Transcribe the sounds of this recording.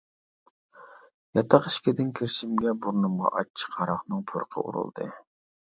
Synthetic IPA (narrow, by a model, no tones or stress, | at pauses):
jɑt̪ʰɑqi̥ʃkʲɪd̪ɪnkʲʰeɾʃimɡʲɛbuɾnumʁɑ̰ʔɑt͡ʃʰi̥qʰɑɾɑχnɨŋpʰuɾqʰə̰ṵɾṵlˠd̪ɨ̰